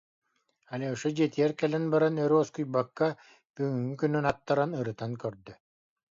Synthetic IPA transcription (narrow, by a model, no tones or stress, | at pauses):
alʲiɔʃud͡ʑiɛt̪ijɛɾkɛlɛnbaɾanœɾɔskujbakːa | b̥yŋyŋykynynat̪ːaɾanɯɾɯt̪aŋkœɾd̪œ